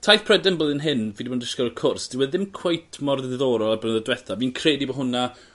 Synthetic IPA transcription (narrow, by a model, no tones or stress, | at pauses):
tʰajθpʰrɛdɛnbəðɪnɦɪnviːdiboːndɪskɔɾəkʰʊrsd̥ɪwɛðɪmkʰw̥ejtʰmɔrððoːɾɔlˠabənðədwɛθaviːnkʰreːdibɔɦʊna